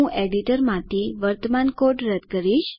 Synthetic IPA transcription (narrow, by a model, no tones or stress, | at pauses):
ũʔeɽiʈəɾmãt̪ʰiʋəɾt̪əmankoʈɾəd̪kəɾiʃ